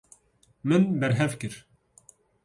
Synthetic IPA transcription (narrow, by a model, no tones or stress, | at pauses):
mɨnbɛɾɦɛvkɨɾ